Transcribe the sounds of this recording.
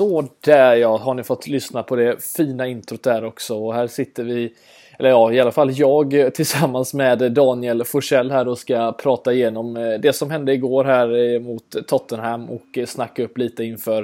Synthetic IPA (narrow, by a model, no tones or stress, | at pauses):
oːd̪̥æːjɑːɦaɳɪfɔt̪ːlʏsnapʰɔd̪ɛfiːnaɪnt̪ʰɾʊt̪d̪æːɾɔksɔɔɦæːɾʂɪt̪ːəɾvɪ | ɛlːəɾjɑːɪalafalːjɑːɡt̪ʰɪlsamːansmɛd̪ːɑːnɪɛlfʊʂɛlːɦæːɾɔskapʰɾɑːt̪aɪjeːnɔmd̪ɛsɔmɦɛnd̪əɪɡoːɾɦæːɾmʊt̪ʰːɔt̪ːənɦɛmːɔ̰ksnakːaɵpːliːt̪əɪnːfœːɾ